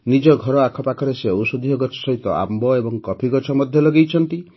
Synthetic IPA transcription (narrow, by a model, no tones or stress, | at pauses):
nid͡ʒɔɡʱɔɾɔakʰɔpakʰɔɾeseowsud̪ʱijɔɡɔt͡ʃʰɔ̥sɔɦit̪ɔa̰mbɔebɔŋkɔpʰiɡɔt͡ʃʰɔmɔd̪ʱjɔlɔɡejt͡ʃʰɔnt̪i